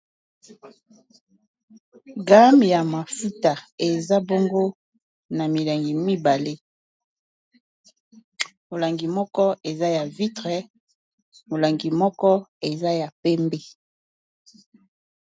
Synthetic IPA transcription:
ɡa˦mbi˨ja˨ma˨fu˦ta˨e˨za˦bo˦ŋɡo˦ | na˨mi˨la˨ŋɡi˨mi˦ba˨le˦ | mo˨la˨ŋɡi˨mɔ˦kɔ˦ʔe˨za˦ja˨vi˦tʁɛ˨ | mo˨la˨ŋɡi˨mɔ˦kɔ˦e˨za˦ja˨pɛ˦mbe˦

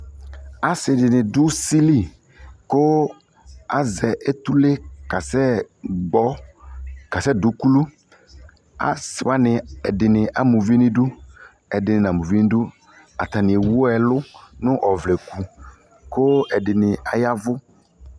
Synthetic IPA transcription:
a˨sɪ˨dɪ˨nɪ˨dʊ˦si˦li˦˨ | kʊ˦ | a˨zɛ˨ʔe˦t̪u˦le˦ka˨sɛ˦ɡ͡bɔ˦ | ka˨sɛ˦dʊ˨˦ku˦lu˦ | a̰˨sɪ˨wa˦nɪ˨ɛ̰˨dɪ˨nɪ̃˨ʔa˨mũ˨vi˦nɪ̃˦dʊ˦ | ɛ˨dɪ˨nɪ˨n˨a˨mũ˨vi˦n˦dʊ˦ | a̰˨t̪a˨nɪ̃˨e˨wʊ˦ɛ˨lʊ˦nʊ̃˦ʔɔ˨vlɛ˨ku˨ | kʊ˦ɛ˨dɪ˨nɪ˨a˨ja˦vʊ˦

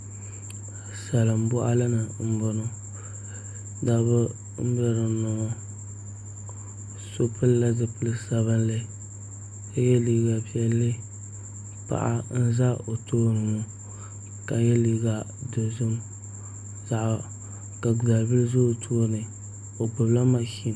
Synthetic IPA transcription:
sa˨lɨ˨m̩˨bʊ˦ʔa̰˦lɨ˦nɨ˨m̩˦bɔ˨no˦ | da˨bʊ˦ | m̩˦ba˦ɾɨ˨nʊ˨o˦ | so˦pʰɨ˦lla˦zɨ˦pɨ˦lɨ˦sa˨βɨ˦nlɨ˦ | ka˦jɛ˦liː˨ɡa˨bi˦ɛ˨lːɨ˦ | pa̰˨ʔa̰˦n̩˦za˦o˨toː˦nɨ˨nu˨ | ka˨jɛ˦li˦ɡa˨do˨zʊ˦m | za˨ʔa˨ | ka˨ɡza˨lbi˦lzʊ˦˨tʰoː˦nɨ˨ | o˨bʊ˨bla˦ma˦ʃi˦n˨

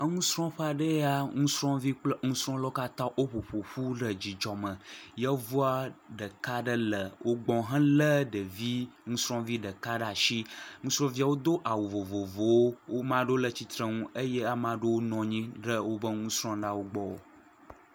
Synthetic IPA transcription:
ə˦ŋũ˦sɾɔ̃˦ɸə˦a˨ɖə˦a˦ŋũ˦sɾɔ̃˦vi˦k͡plə˦ŋũ˦sɾɔ̃˦lɔ˦ka˦t̪ã˦ʔo˦ɸo˨ɸo˨ɸu˦ɖə˨d͡ʑi˨d͡ʒɔ˨mə̃˨jɛ˦vu˦a˦ɖə˨ka˦ɖə˦lə˨wʔo˦ɡ͡bɔ̃˨ɦɛ̃˦lə˦ɖə˨vi˦ŋũ˦sɾɔ̃˦vi˦ɖə˨ka˦ɖa˨ʃi˦ŋũ˦sɾɔ̃˦vi˦a˨wo˦d̪o˦ʔa˨wu˨vo˨vo˨vo˨wo˦wʔo˦mã˦ɖo˦lə˨t͡ɕi˨t̪ɾə˦ŋũ˦e˦je˦a˦mã˦ɖə˦wo˦nɔ̃˨ɲĩ˦ɖə˦wo˦bə˦ŋũ˦sɾɔ̃˦ɖa˦wo˦ɡ͡bɔ˦wo̰˦

